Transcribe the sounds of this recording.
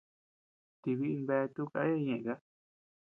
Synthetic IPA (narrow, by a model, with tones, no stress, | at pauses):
t̪i˧βi˦i˧mbe˧t̪u˦ka̰˧˦e˦˧ɲẽ˧˨ʔka˦